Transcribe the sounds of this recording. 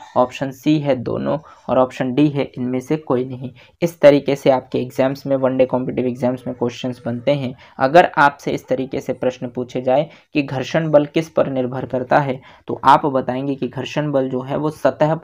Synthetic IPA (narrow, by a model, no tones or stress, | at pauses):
ɔːpʃənsiːɦɛd̪o̰ːnõ̰ɔ̰ːɾɔːpʃənɖiɦɛʔɪnmẽsekoːinɐɦĩ | ɪst̪ɐɾiːkeseaːp̚keːɡzɛːmsmẽʋɐ̃ɳɖekɔ̃ːmpɪːʈɪʋeːɡzɛːmsmẽkosənsbɐnt̪eɦɛ̃ | ɐ̰ɡəɾaːpseɪst̪ɐɾiːkesepɾɐʃnpuːt͡ʃʰed͡ʒaːe | kiɡʱɐɾʃənbəlkɪspɐɾnɪɾbʱəɾkɐɾt̪aɦɛ | t̪o̰ʔaːpbɐt̪aːẽːŋɡekiɡʱɐɾʃənbəld͡ʒoːɦɛʋosɐt̪əɦ